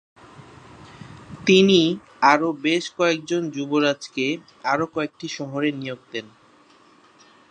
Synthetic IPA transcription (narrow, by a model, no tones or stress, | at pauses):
t̪ini | aɾobeʃkɔek̚d͡ʑond͡ʑuboɾad͡ʑke | aɾokɔek̚ʈiʃɔɦoɾenijoɡ̚t̪en